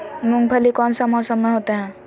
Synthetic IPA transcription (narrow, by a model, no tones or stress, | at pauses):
nũŋɡ̚bʱəlikɔːnsəmɔsəmeɦoːt̪eɦɛ̃ː